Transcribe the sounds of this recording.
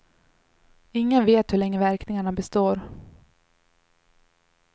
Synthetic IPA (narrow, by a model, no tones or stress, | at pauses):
ɪŋːənveːt̪hɵɭɛŋːəvæɾknɪŋaɳabɛst̪oːɾ